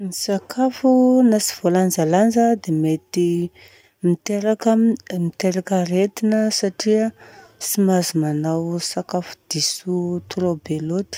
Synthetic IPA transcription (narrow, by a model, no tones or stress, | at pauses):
nisakʰafunasi̥v̥oland͡zaland͡zəd̪emet̪i | mit̪eɾakəmit̪eɾakəɾet̪inəsaʈ͡ʂiəsimazumanawsakafu̥d̪̥isut̪uɾobelot̪i̥